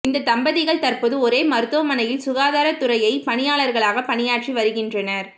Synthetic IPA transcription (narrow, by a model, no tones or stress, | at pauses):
ɪnd̪ɐt̪ɐmbɐðɪɣɐɭt̪ɐɾpɔðɯɔɾeːmɐɾɯt̪ːɯʋɐmɐnɐjɪlsʊɣaːðaːɾɐt̪ːʊɾɐjɐɪpɐnɪjaːɭɐɾɣɐɭaːɣɐpɐnɪjaːʈriʋɐɾɯɣɪndrɐnɐɾ